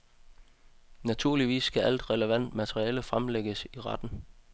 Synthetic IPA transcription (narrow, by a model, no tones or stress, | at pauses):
næt͡sʰuɐ̰liʋḭːsɡ̥æʔæl̰d̥ʁɛləʋæn̰d̥mæt͡sʰʁiɛːləfʁamleɡ̥əsiʁɑd̥n̩